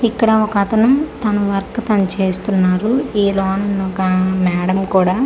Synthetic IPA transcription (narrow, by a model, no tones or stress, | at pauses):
ikːɐɽɐɔkɐt̪ɐnumt̪ɐnɐʋɐɾkɐt̪ɐnut͡ʃe̞ːst̪unːaːɾuiːlɔːnɐnokɐmɛːɽɐmkuːɽaː